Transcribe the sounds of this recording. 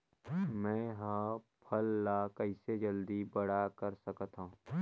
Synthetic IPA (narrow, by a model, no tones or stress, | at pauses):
mɛ̃ːɦãpʰəlːakəɪsed͡ʒəld̪ibɐɽakəɾsəkt̪ɦõ